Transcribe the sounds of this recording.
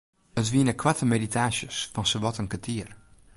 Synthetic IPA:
ətvinəkʰwatəmeditaːʃəsfɑnsəvɔtənkətʰiər

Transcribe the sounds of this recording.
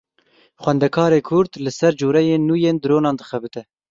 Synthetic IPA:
xwɛnd̪ɛkʰɑːɾeːkʰʊɾd̪lɨsɛɾd͡ʒoːɾɛjeːnːuːjeːnd̪ɨɾoːnɑːnd̪ɨxɛbɨt̪ɛ

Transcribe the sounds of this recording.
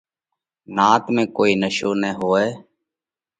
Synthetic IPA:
naːt̪mẽːkoːiːnəʃoːnɛːɦoːɛː

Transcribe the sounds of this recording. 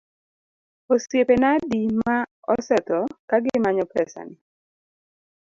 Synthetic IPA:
osjepenadima | ɔsɛt̪ɔkaɡɪmaɲɔpɛsa̰nɪ

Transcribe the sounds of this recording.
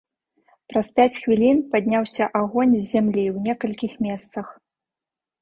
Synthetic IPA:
pɾɐspʲat͡sʲxvʲilʲinpad̪ʲnʲawsʲɐʔaɣɔnʲzʲzʲːamlʲiwnʲɛkɐlʲkʲixmʲɛst̪sɐx

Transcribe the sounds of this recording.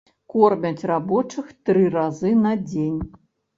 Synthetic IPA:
kɔrmʲɐt͡sʲrabɔt͡ʂɨxt̪ɾɨɾazɨnɐd͡zʲenʲ

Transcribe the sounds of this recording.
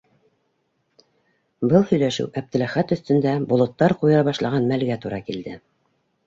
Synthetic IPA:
bɤlˠhɵ̆jlæʃɘ̰wʔæp̚t̪ɘ̆læχæt̪ɵ̆θt̪ɵ̆nd̪æbŏlˠɤ̆t̪ːɑɾqujɤ̆ɾɑβɑʃlˠɑʁɑnmælɡæt̪uɾɑkild̪ɘ

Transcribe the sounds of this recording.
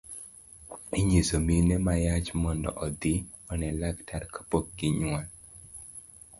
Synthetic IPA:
iɲesominemajat͡ʃmɔndɔ̰ʔɔd̪i | ɔnɛlaktʰaɾkʰḁpok̚ɡɪɲwal

